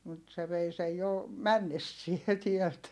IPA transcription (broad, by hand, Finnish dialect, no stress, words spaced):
mut se ʋei sej jo mænːesːie tiɛlt